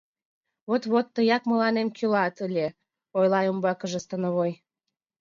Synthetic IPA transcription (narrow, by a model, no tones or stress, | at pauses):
βot̪βot̪ːəjɑkməlɑnemkylɑt̪əlʲe | ojlɑjumbɑkəʒəst̪ənəβoj